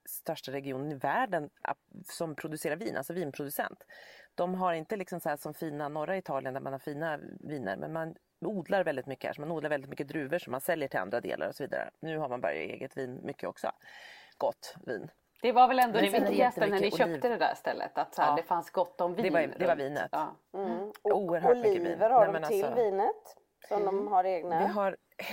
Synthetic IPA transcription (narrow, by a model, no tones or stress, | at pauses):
st̪œʂʈaɾɛɡɪuːnənɪvæːɖəna̰sɔmpʰɾʊd̪ɵseːɾaɾviːnʔa̰lsɔviːnpʰɾʊd̪ɵsɛ̰nt̪d̪̥ɔmɦaɾɪnt̪əlɪksɔmsɔhæːʂɔmfiːnanɔɾːaɪt̪ʰɑːlɪənd̪æɾmanhaɾfiːnaviːnə̰ɾmʔɛ̰nman | uːd̪laɾvɛld̪ɪt̪mʏkːəæ̰ʂɔmanuːd̪aɾɛlɪt̪mʏkːəd̪ɾʉ̟ːvəʂɔmːansɛljəʈʰɪla̰nd̪ɾad̪ḛːlʔa̰ɾɔsɔviːd̪a̰ɾə̰nʉ̟ːɦaɾmanbœ̰ɾja̰ḛːɡət̪viːnmʔʏkʰːəɔ̰ksɔ̰ɡ̥ɔt̪ːvḭːn | d̪̥ɛvaɾvɛlɛnd̪ɔɪt̪ənænɪœːiːt̪əd̪ɛd̪æ̰st̪ɛ̰lːə̰t̪at̪shæd̪ɛfansɡɔt̪ːɔmvid̪ɛvad̪ɛvaɾviːnə̰t̪ː | uːəɾɦœlmikːəḭːnvəɾhamɛnallsɔviːnət̪ | sɔd̪ɔmhaɾeːɡnad̪ɪɦaɾ